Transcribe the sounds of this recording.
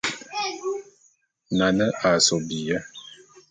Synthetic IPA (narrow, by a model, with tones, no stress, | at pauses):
na˨nə˦ʔa˨sɔ˨bi˨jə˦